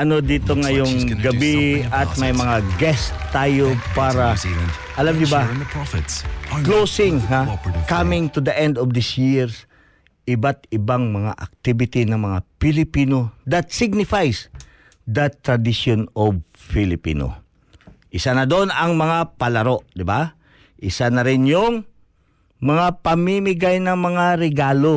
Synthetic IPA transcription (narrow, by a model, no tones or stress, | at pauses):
ʔɐno̞d̪iːt̪oŋɐjoŋɡɐbiɐmɐjmɐŋaɡɛst̪aːjopaːɾɐ | ʔɐlamnʊba | klowsɪŋɦakamɪŋt̪ʊd̪ɐʔɛnd̪ɔvd̪ɪsjɪɹs | ʔɪbat̪ɪbaŋmɐŋa̰ʔɐk̚t̪ibɪt̪inɐŋmɐŋapɪlɪpiːnod̪ɐt̪sɪɡ̚nɪfajs | d̪ɐt̪ɾɐd̪iʃonobfɪlɪpḭːno̰ | ʔɪsanɐd̪onɐŋmɐŋapɐlɐɾo̞ʔd̪ɪba | ʔɪsanɐɾɪnjʊŋ | mɐŋapɐmimɪɡajnɐŋmɐŋaɾɛɡaːlo